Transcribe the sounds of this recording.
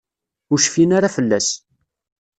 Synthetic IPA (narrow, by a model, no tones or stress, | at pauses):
ʊɾʃfinaɾafəlːæ̰s